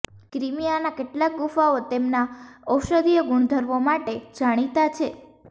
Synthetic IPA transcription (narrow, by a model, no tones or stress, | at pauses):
kɾimijanakeʈlak̚ɡufaot̪emnaəwʃəd̪ijəɡuɳ̃d̪ʱəɾʋomaʈed͡ʒaɽ̃it̪at͡ʃʰe